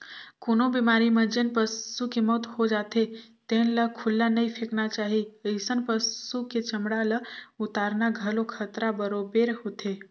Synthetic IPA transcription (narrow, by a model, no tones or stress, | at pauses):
konobimaɾimə̃d͡ʒənpəsukemɔːt̪hod͡ʒat̪et̪ẽnləkʰʊlːanəipʰeknat͡ʃaːɦiəɪsənpəsuket͡ʃəmɽaləʊt̪aːɾnaɡʱəlokʰət̪ɾabəɾobeɾɦot̪ʰe